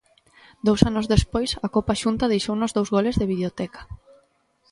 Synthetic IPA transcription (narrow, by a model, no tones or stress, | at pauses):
d̪owsanʊzðespojsɐkopaʃunt̪ɐðejʃownʊzðowzɣolezðeβiβleot̪ɛkḁ